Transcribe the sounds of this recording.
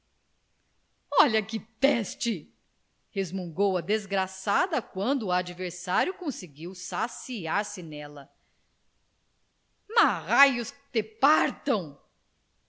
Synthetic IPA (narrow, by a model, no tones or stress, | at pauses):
ɔʎɐkɪt̪ɛst͡ʃɪ | hezmũɡowɐd̪ezɡɾasad̪ɐkwɐ̃nd̪ʊad͡ʒiveɾsaɾjʊkõsɪɡiwsasiaɾsɪnɛlɐ | maʁajʊst̪epaɾt̪ɐ̃w̃